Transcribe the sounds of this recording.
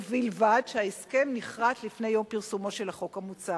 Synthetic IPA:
vilvadʃeaeske̞mniχʁat̪lifne̞jo̞mpiʁsumo̞ʃe̞lhaχo̞kamut͡sa

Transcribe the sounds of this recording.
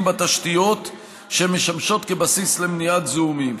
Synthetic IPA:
mbat̪aʃt̪ijo̞t̪ | ʃemeʃamʃo̞t̪ke̞basisle̞mnijat̪zumim

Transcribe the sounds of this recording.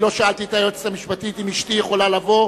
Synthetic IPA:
lo̞ʃaalt̪iet̪ajot͡se̥tamiʃpat̪it̪imiʃt̪ijeχo̞lalavo̞

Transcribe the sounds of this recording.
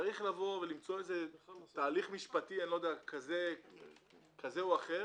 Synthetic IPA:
aʁiχlavo̞ve̞limt͡so̞ezet̪aːliχmiʃpat̪ienlod̪eakaze | kʰazeuaχe

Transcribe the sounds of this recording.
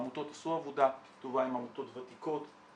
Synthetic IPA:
mut̪o̞t̪asuavod̪a | t̪uvaimamut̪o̞t̪vat̪iko̞t̪

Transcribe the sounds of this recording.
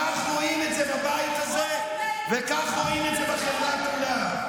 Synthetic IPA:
aχʁoimetzebabait̪aze | vekaχʁoimetd̪zebaχevʁakmula

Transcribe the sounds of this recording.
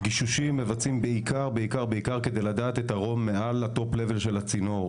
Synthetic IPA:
ɡiʃuʃimːe̞vat͡simbeikʰaʁbeikaʁbeikaʁke̞d̪ejlad̪aːt̪et̪aʁo̞mːealat̪o̞ple̞ve̞lʃe̞lhat͡sino̞ʁ

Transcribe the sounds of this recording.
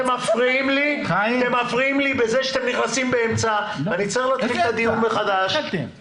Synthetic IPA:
emafʁiimlit̪emafʁiimlibeze̞ʃat̪emniχnasimbeemt͡sa | vanit͡seχlot̪filt̪ad̪ijunbeχad̪aʃ

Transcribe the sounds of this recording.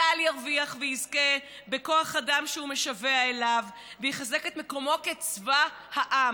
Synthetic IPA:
aljaʁviaχvejizke | be̞ko̞aχadamʃehume̞ʃaveaelavː | ejiχazeke̞t̪meko̞mo̞ket͡sva | haʔa

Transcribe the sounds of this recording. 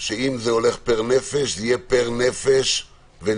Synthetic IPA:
ʃeimzeo̞le̞χpeʁnefeʃijepeʁnefeʃ | ve

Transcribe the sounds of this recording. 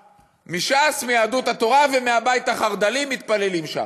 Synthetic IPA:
miʃasmijaːd̪ut̪hat̪o̞ʁavemeabajit̪haχaʁd̪alimit̪pale̞limʃa̰m

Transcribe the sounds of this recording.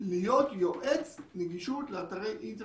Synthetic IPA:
lijot̪joʔet͡sneɡiʃut̪leat̪aʁejʔint̪

